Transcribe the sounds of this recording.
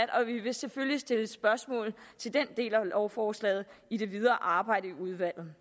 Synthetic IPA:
æd̥ɒ̽ʋiʋe̝seføljisd̥e̝ləe̥sb̥ɶɐsmɔ̰ːl̩t͡sʰe̝ld̥end̥e̝̰ːlæɒʊfɒːslɛ̰ːð̩ˠid̥e̝ʋið̞ˠɐʔɑ̈ːb̥ɑ̈ɪ̰ɾəiuð̞ˠʋæl̰ð̩ˠ

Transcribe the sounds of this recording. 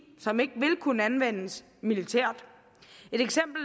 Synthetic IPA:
sɒ̽me̝ɡ̥əʋe̝lkʰunəænʋen̰əs | milit͡sʰeɐ̰d̥ | e̝ɾ̥eɡ̥sem̰b̥l̩

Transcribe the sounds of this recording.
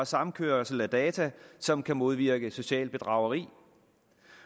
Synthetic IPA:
ɒsɑ̈m̩kʰøːɐsl̩æd̥ɛːt͡sʰæsɒ̽mkʰæmo̝ð̞ˠʋiɐɡ̥əso̝ɕɛ̰ːldb̥e̝d̥ʁɑ̈ʊɐʁḭː

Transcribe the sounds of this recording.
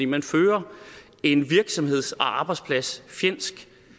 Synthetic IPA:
ḭmænføːɐ | e̝nʋiɐɡ̥sɒ̽mhe̝ð̞̰ˠsɒ̽ʔɑ̈ːb̥ɑ̈ɪspʰlæsfjen̰sɡ̥

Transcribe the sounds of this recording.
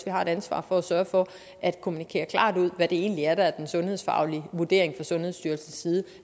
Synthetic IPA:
ʋihɑ̈e̝ɾ̥ænsʋɑ̰̈ːfɒ̽æsɶːɐfɒ̽ | ʔæd̥kʰo̝munikʰe̝̰ːɐkʰl̥ɑ̰̈ːd̥uð̞̰ˠʋæd̥e̝e̝̰ːnliæɐɾ̥ææɐd̥ensɔ̽nhe̝ðˠsfɑ̰̈ʊliʋuɐd̥e̝ːɐe̝ŋfʁɑ̈sɔ̽nhe̝ðˠsd̥yːɐlsn̩sːiːð̞ˠ

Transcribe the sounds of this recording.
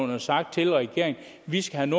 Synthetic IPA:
nɐsɑ̈ɡ̥d̥̚t͡sʰe̝lʁɛɡ̥e̝ːɐ̰eŋ | ʋisɡ̥æhæno̝

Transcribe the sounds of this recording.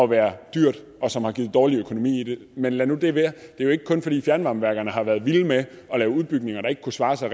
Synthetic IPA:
ɒ̽ʋæːɐd̥yɐ̰d̥ | ɒ̽sɒ̽mhɑ̈ɡ̥iːð̩ˠdɒːliøkʰo̝no̝mḭːid̥e̝menlænud̥eʋeɐd̥e̝joe̝ɡ̥əkʰɔ̽nfɒ̽d̥ḭːfjæɐnʋɑ̈mʋæɐɡ̥ɐnəɦɑ̈ʋæːɐð̞ˠʋiləme | ɒ̽lɛːʊuð̞ˠb̥yɡ̥̚ne̝ŋɐɾ̥ɑ̈e̝ɡ̥kʰusʋɑ̈ːsɑ̈ɪ

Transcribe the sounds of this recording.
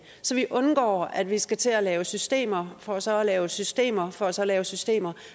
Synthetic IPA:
sɒ̽ʋiʔɔ̽nɡ̥ɒ̰ːæd̥ʋisɡ̥æt͡sʰe̝ælɛːʊəsysd̥e̝̰ːmɐfɒ̽ːsɒ̽ælɛːʊsysd̥e̝̰ːmɐfɒ̽æsɒ̽lɛːʊsysd̥e̝̰ːmɐ

